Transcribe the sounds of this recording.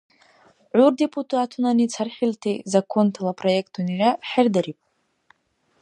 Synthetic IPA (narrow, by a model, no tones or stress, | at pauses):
ʕʷʊrde̞pʼutʰʼuatʰunanit͡sʰarχʲiltʰizakʰo̞ntʰalapʼro̞jek̚ʼtʰuniraħɪrdaɾipʼ